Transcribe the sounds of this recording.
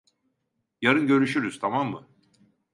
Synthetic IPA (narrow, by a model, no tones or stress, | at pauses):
jaɾɯnɟø̞ɾyʃyɾyz̥t̪ʰamamːɯ